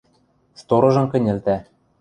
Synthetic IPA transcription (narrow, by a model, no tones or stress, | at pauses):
st̪oɾɤ̆ʒɤ̆mkɘ̆nʲɘ̆lt̪æ